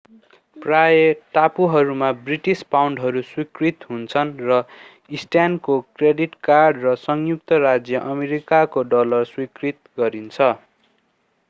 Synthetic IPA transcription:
prajeʈapuɦʌɾumabriʈispawɳɖɦʌɾuswikrit̪ɦunt͡sʰʌnrʌ | isʈankokreɖiʈkarɖrʌsʌŋjuk̚t̪ʌrad͡zjʌʔʌmeɾikakoɖʌlʌrswikrit̪ɡʌɾint͡sʰʌ

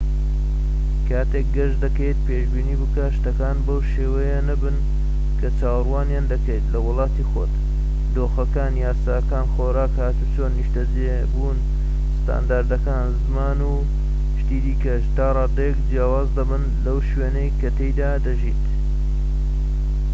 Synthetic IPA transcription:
kʰaːt̪ek̚ɡɐʒd̪ɐkejt̪̚pʰeːʒbiːniːbɨkaʃt̪ɐkaːnbɐwʃeːwɐjenɐbɨn | kʰɐt͡ʃaːwrwaːnjaːnd̪ɐkejt̪lɐwʊlˠɑːt̪iːxo̰t̪ | d̪oːxɐkaːnjaːsaːkaːnxoːɾaːkhaːt̪ut͡ʃʰoːnːiʃt̪ɐze | bun | st̪a̰ːnd̪aːɾd̪ɐkaːnzɨmaːnu | ʃt̪iːd̪iːkɐʃt̪aːrˤɑːd̪ejɛkd͡ʒjaːwaːzd̪ɐbɨnlɐwʃweːnɐjkɐt̪ejd̪aːd̪ɐʒiːt̪

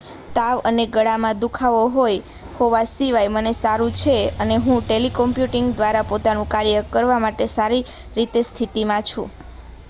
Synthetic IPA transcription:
t̪aʋə̰neɡəɽamãd̪ukʰaʋoɦoj | hoʋasiʋajmənesaɾũt͡ʃʰeəneɦũʈelikɔmpjuʈiŋɡd̪ʋaɾapot̪anũkaɾjəkəɾʋamaʈesaɾi | ɾit̪est̪ʰit̪imãt͡ʃʰũ

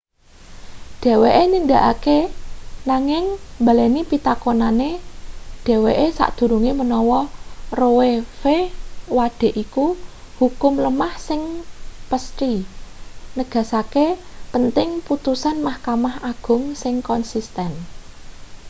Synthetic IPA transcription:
d̥e̤weʔenind̪aʔakenaŋɪŋmbalanipit̪akonaneɖ̥ɛ̤weʔesa̰ʔd̪̥ṳɾuŋemənɔwɔrowefewaɖ̥e̤ʔiku | hukʊmləmahsɪŋpəst̪i | nəɡ̥a̤sakepənt̪ɪŋput̪usanmahkamahaɡ̥ʊ̤ŋsɪŋkɔnsist̪ɛn

